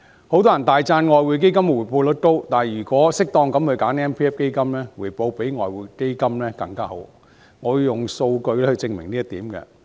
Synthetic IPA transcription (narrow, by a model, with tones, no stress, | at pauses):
ho˨˥wt̪̬ɔː˥jnt̪aː˨jt͡saː˧nŋɔː˨jwuː˨˧jk̬e˥jkɐ˥mwuː˨˩jpo˧wlɵ˨˥t̚t̪o˥wt̪aː˨˩jyː˨˩kʷɔː˨˥sɪ˥k̚t̪ɔː˧ŋkɐ˨˥mhɵ˧jkaː˨˥nɛː˥npʰiː˥ɛː˥fke˥jkɐ˥mlɛː˥wuː˨˩jpo˧wpe˨˥jŋɔː˨jwu˨˩jke˥jkɐ˥mlɛː˥kɐ˧ŋkaː˥ɦo̰˨˥w | ŋɔː˨˧ji˨˧jʊ˨ŋso˧wkɵ˧ɥlɛː˥hɵ˧ɥt͡sɪ˧ŋmɪ˨˩ŋniː˥ɐ˥t̪iː˨˥mkɛ̰˧